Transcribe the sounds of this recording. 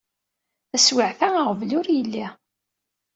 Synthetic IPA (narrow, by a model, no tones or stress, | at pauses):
θæswəʕθæəʁvlʊɾjəlːi